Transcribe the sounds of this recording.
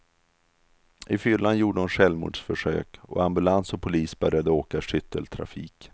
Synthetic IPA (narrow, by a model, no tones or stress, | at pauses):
ʔɪfʏlːanjuːɖəɔnɧɛlvmṵːɖʂfœʂø̰ːkɔ̰ambɵlansɔpʰʊliːsbœɾjad̪əoːkaʂʏt̪ʰːəlt̪ʰɾa̰fḭːk